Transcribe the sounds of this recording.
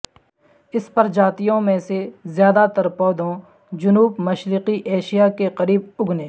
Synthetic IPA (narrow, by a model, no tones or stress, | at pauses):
ɪspɐɾd͡ʒaːt̪ijõmẽsezjaːd̪at̪ɐɾpɔːd̪õ | d͡ʒʊnuːbmɐʃɾɪqiʔeːʃijakeqɐɾiːb̚ʊɡnẽː